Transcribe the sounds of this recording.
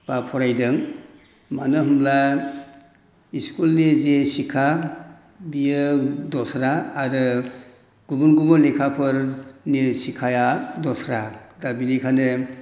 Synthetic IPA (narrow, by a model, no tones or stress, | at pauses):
b̥apʰɔɾajdɯŋ | manɯɦumla | iskulnezesikʰa | bijɯdɔsɾaːɾɯ | ɡ̥umunɡumɔlekʰapʰɯɾnesikʰajadɔsɾadabinikʰanɯ